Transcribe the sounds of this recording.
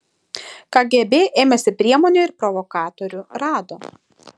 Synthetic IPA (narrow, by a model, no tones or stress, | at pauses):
kɑːɡʲebʲeːʔeːmʲɛsʲɪpʲɾʲiɛmɔːnʲuˑɪɾpɾɔʋɔkɑːt̪ɔɾʲʊɾɑːd̪oː